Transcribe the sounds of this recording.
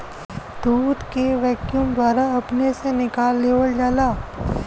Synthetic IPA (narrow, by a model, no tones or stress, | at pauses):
d̪̥uːd̪keʋɛːkjumd̪waːɾaɐpnesenɪkaːlːeːʋəld͡ʒaːlaː